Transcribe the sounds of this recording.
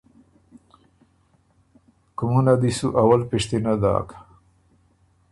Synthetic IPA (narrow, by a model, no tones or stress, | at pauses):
kumunad̪isuʔawalpiʂt̪inad̪a̰ːkḁ